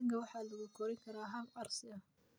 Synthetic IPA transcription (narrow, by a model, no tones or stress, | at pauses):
ŋkʰɐwɑħɑːlɐɣukʰɔɾɛŋkʰɐɾaːɦɐmɑrsɪɐ